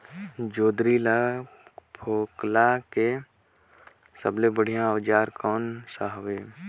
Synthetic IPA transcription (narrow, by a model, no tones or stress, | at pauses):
d͡ʒoːd̪ɾila | pʰoːklake | səblebəɽ̤ijãəʋd͡ʒaːɾkɔːnsaɦʋeː